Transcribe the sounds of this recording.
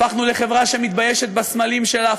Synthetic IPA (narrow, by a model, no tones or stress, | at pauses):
aχnule̞χe̞vʁaʃe̞mit̪̚bajeʃet̪̚basmalimʃe̞la